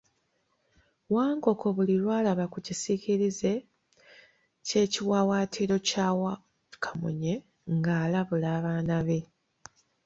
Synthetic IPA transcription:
waːŋko̞ko̞βulilwaːlaβakucisiciɾize̞ | ce̞ːciwaːwaːtʰiɾo̞caːwa | i̥kʰamṵɲe̞ | ŋɡaːlaβulaːβaːnaβe̞

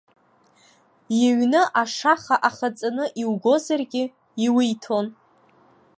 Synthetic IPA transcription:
jeɥnɨʔaʂaχaʔaχat͡sʼanɨʔiwɡo̞zarɡʲɪ | iwijtʰo̞n

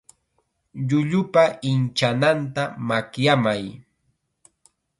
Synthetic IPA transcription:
ʎʊʎʊpaɪnt͡ʃanant̪amakjamaj

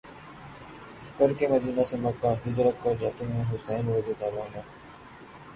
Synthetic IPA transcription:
kəɾkeːməd͡ʒunaːsẽməkːaːɦɪd͡ʒɾət̪kəɾɾat̪eːɦɛ̃ːɦʊsɛːnʋəzeːt̪aːbãːnd̪aː

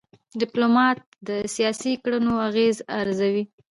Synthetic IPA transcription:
ɖɪplomɑt̪̚d̪əsijɑsikɽənoaɣezaɾzawi

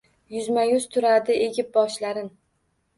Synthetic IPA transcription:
jʊzmajʊz̥t̪ʰʊɾad̪ɪeɡʲɪp̚bɒʃlaɾɪn

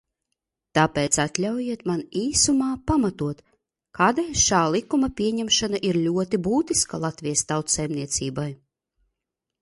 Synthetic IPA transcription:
t̪apɛːt̪sat̪lʲawjiɛt̪maniːsumaːpamat̪uɔt̪ | kaːd̪ɛjʃaːlˠikumɐpʲiɛɲɛmʃanaʔiɾlʲuɔt̪ibuːt̪iskalˠat̪vʲijast̪awt̪sɛjmniɛt̪siːbaj

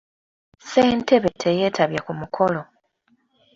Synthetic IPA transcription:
se̞ːntʰe̞βe̞tʰe̞je̞ːtʰaβjakumukʰo̞lo̞

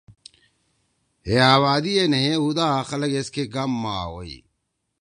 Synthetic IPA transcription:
ɦeaːβaːd̪ienɐɦẽɦud̪aːxɐlɐɡeskeɡɐmːaːɦo̰ːḭ

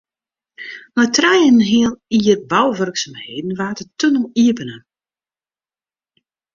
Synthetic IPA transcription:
majtrɛjənɦiəniərbawʋørksamheːdn̩ʋaːtətønəlˠiəpənə

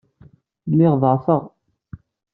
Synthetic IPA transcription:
lːɪʁðˤəɾˤfəʁ

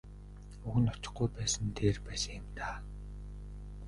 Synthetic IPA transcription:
uɣɘ̆nɔt͡ɕɪ̆χɡujpæːsə̆nt̪ʰeːrpæːsɪmt̪aː

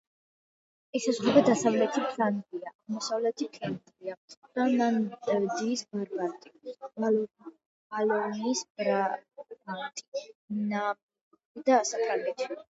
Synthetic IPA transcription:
ɛsazχɛbad̪asavlɛt̪ʰipʰland̪iaʔaʁmɔsavlɛt̪ʰipʰɛnt̪ʼliad̪̥anand̪ɛd̪iːsbaɾbant̪ʼibalɔ | alɔniːsbɾa | ant̪ʼi̥ina | id̪aːsak̪ʼɾanɛt̪ʰi̥

